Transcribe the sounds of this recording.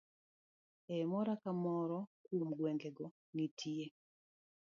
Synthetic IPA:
ɛmɔɾakamɔɾɔkwomɡwɛŋɡɛɡɔ | ŋitʰie

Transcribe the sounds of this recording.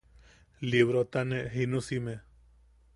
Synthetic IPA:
liβɾot̪aneʔɦinũsime

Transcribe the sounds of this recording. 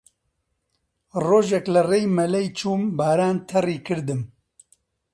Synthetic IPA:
roːʒɛklɐreːjmɐlɛjt͡ʃʰuːmbaːɾaːnt̪ʰɐriːkʰɨɾd̪ɨm

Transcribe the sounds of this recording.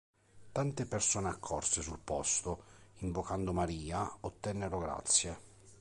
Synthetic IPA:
t̪ant̪epersoːneakʰːɔrsesulpɔst̪oiɱvokand̪omaɾiːaot̪ːɛnːeɾoɡɾa̰t̪sːje

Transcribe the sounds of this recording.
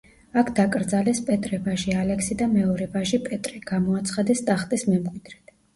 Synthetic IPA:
akʰd̪̥akʼɾd̪zalɛspʼɛt̪ʼɾɛvaʒialɛksid̪amɛɔɾɛvaʒipʼɛt̪ʼɾiɡ̥amɔat̪sʰχad̪ɛst̪ʼaχt̪ʼismɛmkʼwid̪ɾɛt̪

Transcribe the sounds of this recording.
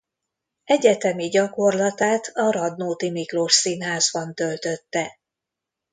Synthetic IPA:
ɛɟɛt̪ɛmiɟɒko̞rlɒt̪aːt̪ʰɒɾɒd̪noːt̪imikroʃsinɦaːzbɒnt̪ø̞lt̪ø̞t̪ːɛ

